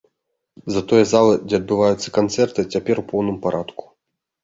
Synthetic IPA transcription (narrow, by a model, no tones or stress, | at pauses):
zɐt̪ɔjɛzalˠɨd͡zʲɛɐd̪̚bɨvajut̪sːɐ̥kant̪sɛrt̪ɨt͡sʲapʲɛɾwpɔwnɨmpaɾʔat̪ku̥